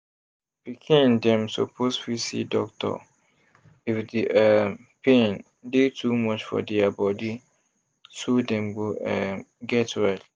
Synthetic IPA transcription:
pikʰĩndɛ̃mso̰pʰosfisḭdɔk̚tʰɔ̰ | ifdiɛ | pʰẽn | detʰumɔt͡ʃfɔ̰dɛabɔdi | sodɛ̃mwoɛɡɛtɹɛt

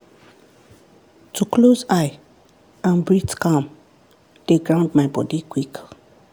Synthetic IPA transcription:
tʰuklozaɪ | ãnbɹitkãm | d̥eɡɹãʊ̃ndmaɪbɔdikwik

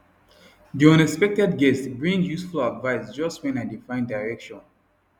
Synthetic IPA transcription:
diɔ̃nɛkspɛk̚tɛd̚ɡɛstbɹĩŋjusfuladvaɪsd͡ʒʌstwɛ̃naɪdifãɪ̃ndaɪɹɛkʃɔ̃n

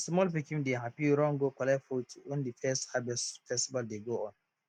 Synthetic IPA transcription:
smɔlpikimdeɦapiɾɔ̃ŋɡokɔlɛfotʰiondifɛsthabɛsfɛstibaldeɡoɔ̃n

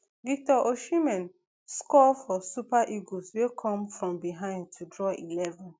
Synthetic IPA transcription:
vik̚tɔʔoʃimɛ̃n | skɔfɔsupaʔiɡoswekʰɔ̃mfɹɔ̃mbiɦãɪ̃nd̚tʰudɹɔʔilɛvɔ̃n

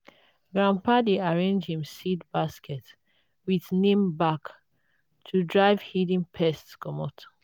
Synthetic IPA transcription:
ɡɹãmpadeaɹẽnd͡ʒĩmsidbaskʰɛt | wiðnẽmbak | tʰudɹaɪv̥hidĩnpʰɛstskɔmɔtʰo̥

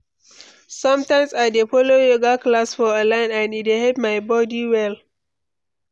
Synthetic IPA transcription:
sʌ̃mtãɪ̃msadepʰolojoɡaklasfɔalãɪ̃nãnitehɛpmaɪbɔdiwɛl

